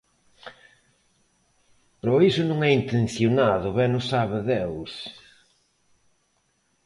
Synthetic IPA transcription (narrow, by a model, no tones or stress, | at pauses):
pɾɔisʊnũŋɛint̪ẽn̟θjʊnaðʊβɛnʊsaβɪðews